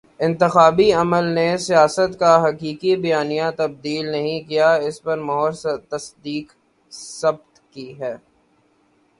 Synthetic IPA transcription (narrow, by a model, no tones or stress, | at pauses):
ɪ̃nt̪ɪxaːbiɐməlnesijaːsət̪kaɦɐkiːkibɐjaːnijãt̪ɐb̚d̪iːlnɐɦĩkijaɪspɐɾmɔɦɔːɾst̪ɐsd̪iːk | sɐb̚t̪kiɦɛː